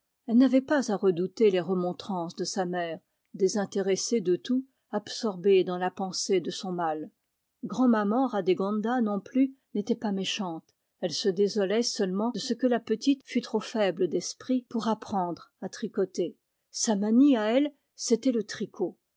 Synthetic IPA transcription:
ɛlnavɛpazaʁəd̪ut̪eleʁəmɔ̃t̪χɑ̃sd̪əsamɛːʁ | d̪ezɛ̃t̪eʁesed̪ət̪u | absɔʁbed̪ɑ̃lapɑ̃sed̪əsɔ̃mal | ɡʁɑ̃mamɑ̃ʁad̪eɡɔ̃nd̪anɔ̃ply | net̪ɛpameʃɑ̃t̪ | ɛlsəd̪ezɔlɛsœlmɑ̃d̥̪əsəkəlapət̪it̪fyt̪χofɛbləd̪ɛspχipuʁapχɑ̃d̪ʁat̪χikɔt̪e | samaniaɛl | set̪ɛlət̪χikʰo

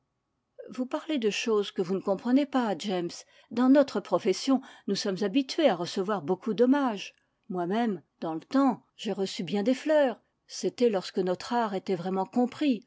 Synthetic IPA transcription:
vupaʁled̪əʃozkəvunəkɔ̃pχənepaʒɛms | d̪ɑ̃nɔt̪χəpχɔfɛsjɔ̃nusɔmzabit̪ɥeaʁəsəvwaʁbokud̪ɔmaʒ | mwamɛmd̪ɑ̃lət̪ɑ̃ | ʒ̥eʁəsybjɛ̃d̪eflœːʁ | set̪ɛlɔʁskənɔt̪χaʁet̪ɛvʁɛmɑ̃kɔ̃pχi

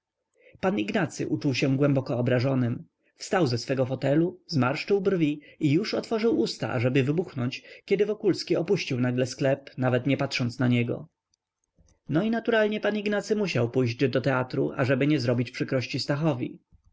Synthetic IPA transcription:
paniɡnat̪sɘ̰ʔut͡ʂuwɕɛ̃ɡwɛmbɔkɔːbɾaʐɔnɘm | fst̪awzɛsfɛɡɔfɔt̪ɛluzmaɾʂt͡ʂɘwbrvʲiijuʂɔt̪fɔʐɘwust̪a̰ʔa̰ʐɛbɘvɘbuxnɔɲt͡ɕkʲɛd̪ɘvɔkulskʲiɔpuɕt͡ɕiwnaɡlɛsklɛpnavɛt̪ɲɛpat̪ʂɔnt̪snaɲɛɡɔ̰ | nɔinat̪uɾalɲɛpaniɡnat̪sɘmuɕawpujʑd͡ʑd̪ɔt̪ɛat̪ɾṵʔa̰ʐɛbɘɲɛzɾɔbʲit͡ɕpʂɘkɾɔɕt͡ɕist̪axɔvʲḭ

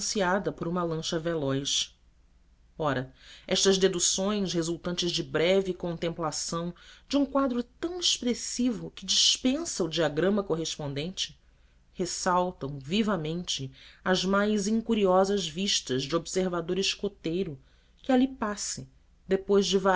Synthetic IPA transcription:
siad̪ɐpoɾũmɐlɐ̃ʃɐvelɔjʃ | ɔɾɐɛʃt̪ɐzd̪ed̪usõj̃shezuwt̪ɐ̃nt͡ʃɪzd͡ʒɪbɾɛvɪkõnt̪ẽmplasɐ̃w̃d͡ʒɪũkwad̪ɾʊt̪ɐ̃w̃eʃpɾesivʊkɪd͡ʒiʃpẽsɐud͡ʒiaɡɾɐ̃mɐkoɦeʃpõnd̪ẽnt͡ʃɪ̥ | hesawt̪ɐ̃w̃vivɐmẽnt͡ʃɪɐzmajzĩŋkuɾiɔzɐzviʃt̪ɐzd͡ʒɪobseɾvad̪oɾɪʃkot̪ejɾʊ | kɪalipasɪ | d̪epojzd͡ʒɪva

